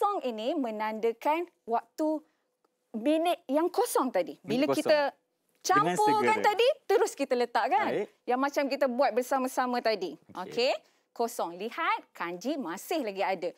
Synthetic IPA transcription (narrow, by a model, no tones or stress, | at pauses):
ɔŋinimə̃nãndəkan | wak̚t̪u | minət̪̚jaŋkosɔŋt̪adibiləkit̪ə | t͡ʃampokant̪adit̪əɾʊskit̪ələt̪aʔkan | jaŋmat͡ʃamkit̪əbuat̪̚bərsamasamə̃t̪adiʔokʰe | kosɔŋlihat̪̚kaɲd͡ʒimasɪhlaɡiadə